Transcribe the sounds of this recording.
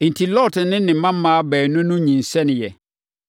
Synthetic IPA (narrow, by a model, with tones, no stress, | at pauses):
ɪ˨n̩˨tʰi˨lɔ˦˨tʰɪ˨nɪ̃˦nɪ̃˨mã˦mː˦ãː˨˦bɛː˨nʊ̃˦nʊ̃˦ɲĩ˨n̩˨sɛ˦nɪ̃˨jɛ˨